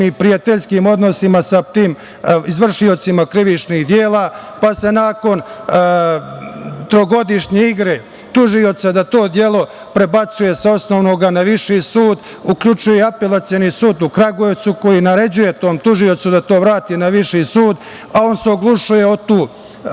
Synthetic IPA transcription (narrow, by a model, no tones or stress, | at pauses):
ipɾijat̪eʎskiːmo̞d̪no̞simasat̪iːm | izʋr̩ʃio̞t̪simakɾiʋit͡ʃnihd̪jeːlˠaːpase̞naːko̞n | t̪ɾo̞ɡo̞d̪iʃɲeiɡɾe | t̪uʒio̞t̪sad̪at̪o̞ːd̪je̞lˠo̞ | pɾe̞bat̪suje̞seo̞sno̞ʋno̞ɡanaʋiʃisuːd̪ | ukʎut͡ʃujeape̞lˠat̪sijonisuːd̪ukɾaɡoeʋt̪suko̞jinaɾe̞d͡ʑuje̞t̪o̞ːmt̪uʒio̞t̪sud̪at̪o̞ːʋɾaːt̪inaʋiʃisuːd̪ | ao̞ːnseo̞ɡlˠuʃuje̞ot̪uː